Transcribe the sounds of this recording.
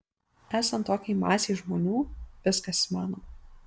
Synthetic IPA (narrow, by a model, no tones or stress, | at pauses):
æːsɐnt̪ːoːkʲɛɪmɑːsʲɛʒmoːnʲuːʋʲɪskɐsmɑːnoːm